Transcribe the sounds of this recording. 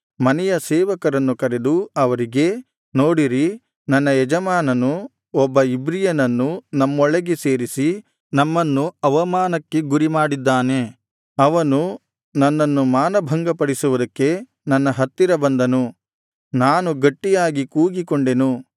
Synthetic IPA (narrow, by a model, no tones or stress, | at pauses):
mɐnɛjɐsɛːʋɐkɐɾɐnːukɐɾe̞d̪uɐʋɐɾiɡe̞ | noːɽiɾi | nɐnːɐjɛd͡ʒɐmaːnɐnu | ɔbːɐibɾijɐnɐnːunɐmːɔɭeɡeseːɾisi | nɐmːɐnːuɐʋɐmaːnɐkːeɡuɾimaːɽid̪ːaːne̞ | ɐʋɐnu | nɐnːɐnːumaːnɐbʱɐŋɡɐpɐɽisuʋud̪ɐkːe̞ | nɐnːɐɦɐt̪ːiɾɐbɐnd̪ɐnu | naːnuɡɐʈːijaːɡikuːɡikoɳɖe̞nu